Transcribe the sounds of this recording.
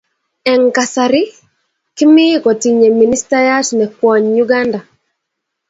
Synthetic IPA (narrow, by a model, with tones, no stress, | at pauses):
ɛ˨ŋka˨saɾi˦ | kɪ˦mɪ˦kɔ˨ti˨ɲe˨mi˨ni˦sta˦ja˦tnɛ˨kwɔ˨ɲjuɡa˦nda˨